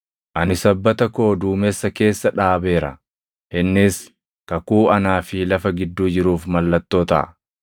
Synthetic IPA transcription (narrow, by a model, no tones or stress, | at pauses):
ʔɐnɪsɐbːɐt̪ɐko̞ːd̪uːmɛsːɐke̞ːsːɐᶑaːbe̞ːɾɐ̰ | hɛnːɪs | kɐkuːɐnaːfɪlɐfɐɡɪd̪ːuːd͡ʒɪɾuːfmɐlːɐt̪ːo̞ːt̪ɐ̰ʔ